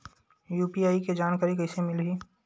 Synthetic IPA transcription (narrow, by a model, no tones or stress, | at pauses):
juːpiaːiked͡ʒaːnkaːɾikɐɪsemɪlɦiː